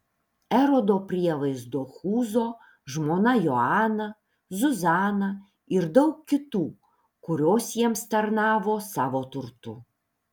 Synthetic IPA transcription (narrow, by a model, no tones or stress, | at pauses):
ɛɾod̪opʲɾʲiɛlˠɐɪzd̪oxuːzoː | ʒmoːnajɔaːnɐ | zʊzaːnɐ | ɪɾd̪ɐʊkːʲɪt̪uː | kʊɾʲoːsʲjɛmst̪ɐɾnaːʋoːsɑːʋot̪ʊɾt̪ʊ̰